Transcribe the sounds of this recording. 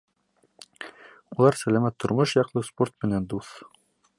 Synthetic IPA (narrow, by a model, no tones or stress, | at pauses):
ulˠɑɾsælæmæt̪ʰːŏɾmɤʃjɑqlˠɤspo̞rt̪̚mɘ̆nænd̪uθ